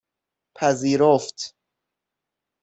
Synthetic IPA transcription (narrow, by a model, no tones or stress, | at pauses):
pʰæziːɾoft̪